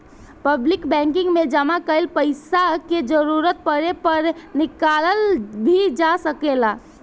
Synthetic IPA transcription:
pəblɪkbɛ̃ŋkɪ̃ŋɡmed͡ʒəmakəɪlpəɪsaked͡ʒəɾuɾət̪̚pəɾepəɾnikaləlbʱid͡ʒasəkela

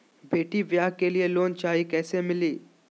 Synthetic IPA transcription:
bʱeʈiːʋjakelijelont͡ɕaɦikɛsemiliː

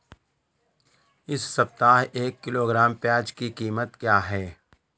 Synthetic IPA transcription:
ɪsːɐp̚t̪aːɦeːkːɪloːɡɾaːmpaːd͡ʒkikiːmət̪kjaːɦɛː

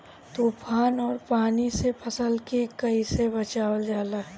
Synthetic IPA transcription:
t̪oːpʰaːnɔːɾpaːnisepʰɐsəlkekɐisebɐt͡ʃaːwəld͡ʒaːlaː

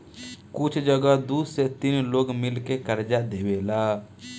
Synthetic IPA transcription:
kʊt͡ʃʰd͡ʒəɡad̪uːset̪inloːɡmɪlkekəɾd͡ʒad̪ewelaː

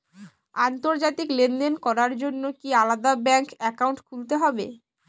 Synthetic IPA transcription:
ant̪oɾd͡ʑat̪iklend̪enkɔɾaɾd͡ʑonːokialad̪abɛŋkɛkawɳʈkʰult̪eɦɔbḛ

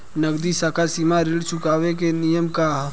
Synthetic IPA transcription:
nəɡd̪isaːkasiːmaɾɪlt͡ʃʰʊkaːʋek̬enijəmkaɦ

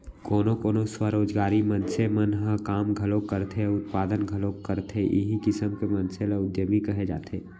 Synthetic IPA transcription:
koːnõkoːnõswaɾoːd͡ʒɡaːɾimɐnsemɐnɦəkaːmɡʱɐlõkəɾt̪ʰeʊt̪̚paːd̪ənɡʱɐlõkəɾt̪ʰeʔɪ̰ɦikɪsəmkemɐ̃nselaʊd̪jəmikɐɦed͡ʒa̰ːt̪ʰeː

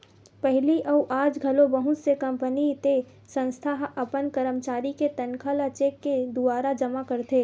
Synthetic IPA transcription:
pɛɦliʔəuʔaːd͡ʒɡʱɐlobəɦʊt̪sekɐ̃mpənit̪e | sə̃nst̪ʰaɦɐpənkəɾəmt͡ʃaːɾiket̪ɐnkʰəlat͡ʃeːkːed̪ʊaːɾad͡ʒɐmakɐɾt̪eː

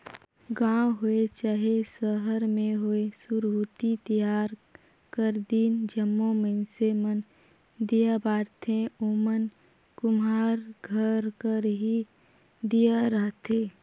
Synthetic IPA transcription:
ɡãːɦoet͡ʃaːɦesəɦəɾmẽɦoesʊɾuːt̪it̪əjaːɾ | kəɾd̪iːnd͡ʒəmːõmənsemən | d̪ijabaːɾt̪ʰẽomən | kʊmaːɾɡʱəɾkəɾɦi | d̪ijaɾəɦt̪ʰeː

